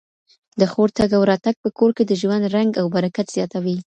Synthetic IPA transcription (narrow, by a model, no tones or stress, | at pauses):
d̪əxoɾt̪aɡawɾɑt̪aɡ̚pəkoɾked̪əʒwand̪ɾaŋɡawbaɾakat̪z̥jɑt̪awi